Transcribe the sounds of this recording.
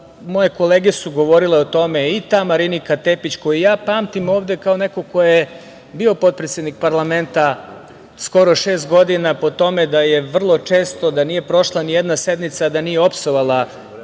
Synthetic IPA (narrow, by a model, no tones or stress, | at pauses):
mo̞je̞ko̞leːɡesuɡo̞ʋo̞ɾile̞ot̪o̞me̞it̪amaɾinikat̪epit͡ɕko̞jijaːpaːmt̪imo̞ːʋd̪e̞kao̞ne̞ko̞ko̞je | bio̞po̞t̪̚pɾet̪sʲjed̪nik̚paɾlˠame̞nt̪a | sko̞ɾo̞ʃe̞ːst̪̚ɡo̞d̪inapo̞t̪o̞me̞d̪aje̞ʋr̩lˠo̞t͡ʂe̞ːst̪o̞d̪anije̞pɾo̞ʃlˠanijed̪nase̞d̪mit̪sad̪anijeo̞psoʋalˠa